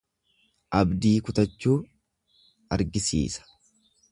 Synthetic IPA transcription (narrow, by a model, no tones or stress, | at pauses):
ʔɐbd̪iːkʊt̪ɐt͡ʃːuː | ɐɾɡɪsḭːsɐ̥